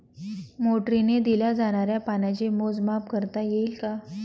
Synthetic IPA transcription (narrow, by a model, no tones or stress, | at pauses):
moʈɾined̪ilad͡zaɽ̃aɾjapanat͡ɕemod͡zmapkəɾt̪ajeilka